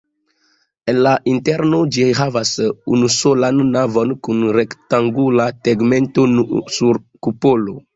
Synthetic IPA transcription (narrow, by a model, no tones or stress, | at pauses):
enlaʔinteɾnod͡ʒiɦavasṵnusolanːavonkunɾektaŋɡulateɡmentonusuɾ | kupolo